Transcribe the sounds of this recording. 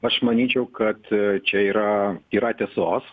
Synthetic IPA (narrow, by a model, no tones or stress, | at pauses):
ɐʃmɐnʲiːt͡ʃʲɛʊkɐt̪t͡ʃʲɛiːɾɐiːɾɐt̪ʲɛːsoːs